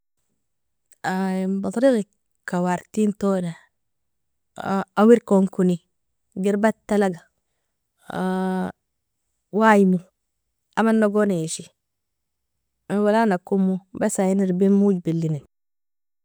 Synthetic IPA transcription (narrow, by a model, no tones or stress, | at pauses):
abat̪ˤɾiɣi | kawaɾtintona | awiɾkoŋkuni | ɡiɾbatːalaɡa | wajimu | amanːoɡonajeʃi | walanakumːubasajiniɾbimud͡ʒbilːinin